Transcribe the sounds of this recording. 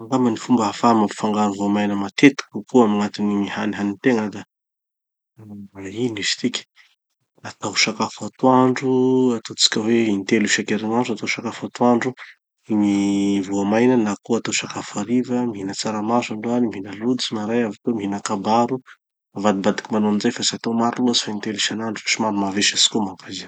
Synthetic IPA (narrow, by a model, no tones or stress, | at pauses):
aŋɡamanifumbəɦafamapi̥faŋɡanuvoamajnəmat̪et̪i̥kukoamiŋat̪inimihaniɦanint̪eŋəd̪a | ainisi̥t̪ikʲi̥ | at̪awʃakafat̪waɳɖ͡ʐuat̪ot͡si̥kʲəweint̪eluʃakeɾiŋaɳɖ͡ʐuat̪aʃakafat̪waɳɖ͡ʐu | mivuamajnənakoat̪aʃakafaɾivəmiɦinət͡saɾamasaɳɖ͡ʐoanimiɦinəlut͡sinaɾajavak̪omiɦinəkabaɾu | mavad̪ibad̪i̥kimanonzajfasat̪omaɾunuzi̥faint̪eliʃanaɳɖ͡ʐuaʃimaɾumaveʃasi̥komakazi